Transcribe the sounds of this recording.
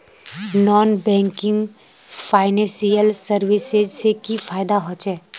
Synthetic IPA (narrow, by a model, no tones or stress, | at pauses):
nɔːnbɛ̃ːŋkɪ̃ŋɡ | faːɪnɛ̃ːsijəlsəɾwɪsezsekifaːjɪd̪aɦot͡ʃɛː